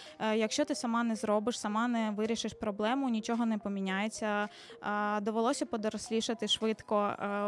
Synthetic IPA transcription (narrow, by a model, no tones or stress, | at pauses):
jɐkʃt͡ʃɔt̪ɪsɐmɑnɛzɾɔbɪʃsɐmɑnɛʋɪɾʲiʃɪʃpɾɔblˠɛmʊnʲit͡ʃɔɦɔnɛpɔmʲinʲajet͡sʲːɐ | d̪ɔʋelˠɔsʲɐpɔd̪ɔɾɔsʲlʲiʃɪt̪ɪʃʋɪt̪kɔ